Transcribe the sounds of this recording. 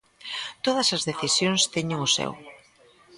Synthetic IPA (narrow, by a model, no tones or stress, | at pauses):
t̪oð̞ɐsɐzðeθisjoŋst̪ɛɲɪŋʊsɛ̰w